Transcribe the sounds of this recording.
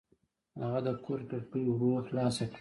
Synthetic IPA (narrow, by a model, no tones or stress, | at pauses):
haɣad̪əkʰoɾkəɾpəjwɾoxlɑsakɽi